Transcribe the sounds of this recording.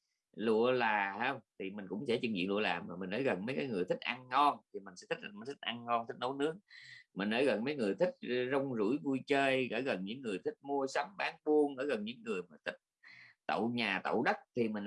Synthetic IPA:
lṵ˧˨əlaː˨˩haː˧wŋ͡mt̪ʰi˨˩mï˨˩ŋ̟kʊ̰˧˥wŋ͡msɛ˧˥t͡ɕi˧ŋzḭ˧˨nlṵ˧˨əlaː˨˩maː˨˩mï˨˩ŋ̟ʔəː˨˦jɣə˨˩nmə˨˦jkaː˨˦jŋɨ˨˩əjt̪ʰï˦˥k̟̚ʔa˧ŋːɔ˧nt̪ʰi˨˩mï̟˨˩sɛ̰˧˥t̪ʰi˦˥˩t̪ʰi˦˥k̚ʔa˧ŋŋɔ˧nt̪ʰi˦˥k̟̚no˨˦wnɨ˦˥ək̚mï˨˩ŋ̟ʔəː˧˨˦jɣə˨˩nmə˨˦jŋɨ˨˩əjt̪ʰi˦˥k̚zə˧wŋ͡mzṵ˧˥jvu˧jt͡ɕəː˧jɣə̰ː˧˩ɣə˨˩nɲɨ̰˧˥ŋːɨ˨˩əjt̪ʰï˦˥k̚mu˧əsa˨˦mɓaː˨˦nɓu˧əŋʔəː˧˩ɣə˨˩nɲɨ̰˧˥ŋːɨ˨˩əjmaː˨˩t̪ʰï˦˥k̚t̪ə̰˧˨wɲaː˨˩t̪ə̰˧˨wɗə˦˥t̚t̪ʰi˨˩mï˨˩ŋ̟

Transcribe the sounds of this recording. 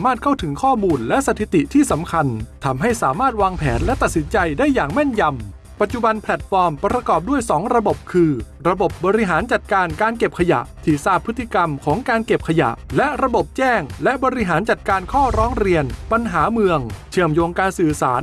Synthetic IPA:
maː˥˩t̪̚kʰa˥˩wt̪ʰɯ˩˦ŋkʰɔː˥˩muː˧nlɛ˦˥ʔsa˧t̪ʰi˨˩t̪i˨˩t̪ʰiː˥˩sa˩˦mkʰa˧nt̪ʰa˧mɦa˥˩jsaː˩˦maː˥˩t̪̚waː˧ŋpʰɛː˩˦nlɛ˦˥t̪a˨t̪̚si˩˦nt͡ɕa˧jdaː˥˩jːaː˨˩ŋmɛ˥˩nja˧m | pa˨˩t̪̚t͡ɕu˨˩ba˧npʰlɛ˨˩t̪̚fɔː˧mpɾa˧kɔː˨˩p̚du˥˩əjsɔː˩˦ŋɾa˧bo˨˩p̚kʰɯː˧ | ɾa˧bo˨˩p̚bɔː˧ɾi˧˥ɦaː˩˦nt͡ɕa˨˩t̪̚kaː˧nkaː˧nke˨˩p̚kʰa˧ja̰˨˩ʔt̪ʰi˨˩saː˥˩pʰːɯ˦˥t̪ʰːi˧ka˧mkʰɔː˩˦ŋkaː˧nke˨˩p̚kʰa˧ja̰˨˩ʔlɛ˦˥ɾa˧bo˨˩p̚t͡ɕɛː˥˩ŋlɛ˦˥ʔbɔ˧ɾi˧˥ɦaː˩˦nt͡ɕa˨˩t̪̚kaː˧nkʰɔː˥˩ɾɔː˦˥ŋɾi˧ənpa˧nɦaː˩˦mɯ˧əŋt͡ɕʰɯ˧˩əmjoː˧ŋkaː˧nsɯː˨˩saː˩˦n

